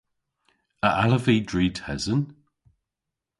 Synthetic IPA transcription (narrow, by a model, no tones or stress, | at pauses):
əʔaləviːdɹiːtʰɛzən